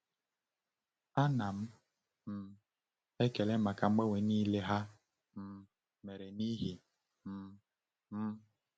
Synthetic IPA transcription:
a˦na˨m̩˦ | m̩˨ | e˦ke˨lɛ˦ma˨ka˨ŋ͡m̩˦ɡ͡ba˦we˨˦ni˦le˦ɦa˦ | m̩˨ | me˨ɾe˨ni˦ɦi˨ | m̩˦ | m̩˦

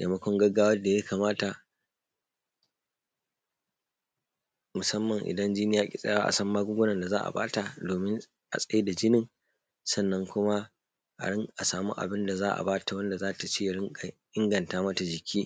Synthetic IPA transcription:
ja̰˨mɐ˦kʷɔ˦ŋɡɐ˦ɡaː˦wɐ˦da˨ja˦kaː˨maː˦ta˨ | mʊ˨sɐ˦mːɐ˨ŋʔɪ̰˨dɐ˦nd͡ʒiː˦nɪ˦jaː˦kʲʼɪ˦sʼɐ̰˦jaː˦a˦ʔa̰˨sɐ˦mːaː˦ɡʷʊ˦ɡʷʊ˦nɐ˨nda˨zaː˦ʔa̰˨ba̰ː˦ta˨doː˨mɪ˦n | ʔa̰˨sʼɐ˦e˦da˨d͡ʒɪ˦nɪ˦˨ŋ | sɐ˦˨nːɐ˦ŋkʷʊ˦ma˦ | ʔa̰˨ɽɪ˦ŋʔa˨saː˨muː˦ʔa̰˨bɪ˦nda˨zaː˦ʔa̰˨baː˦ta˨wɐ˦nda˨zaː˦ta˨t͡ʃiː˦ja˨ɪ˦˨ʔɪ˦ŋɡɐ˨ntaː˦mɐ˦ta˨d͡ʒɪ˨kʲʰiː˦

